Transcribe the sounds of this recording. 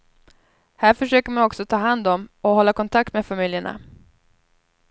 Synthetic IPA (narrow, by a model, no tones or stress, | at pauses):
hæːɾfœʂøːkəɾmanɔksɔt̪ʰɑːɦand̪ɔmɔhɔlːakʰɔnt̪ʰak̚t̪meːfamɪljəɳa̰